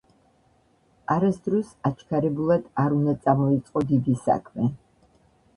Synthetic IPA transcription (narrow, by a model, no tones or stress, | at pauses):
aɾasd̪ɾɔsat͡ʃʰkʰaɾɛbulˠad̪̥aɾund̪at̪sʼamɔit̪sʼqʼɔd̪id̪isa̰kʰmɛ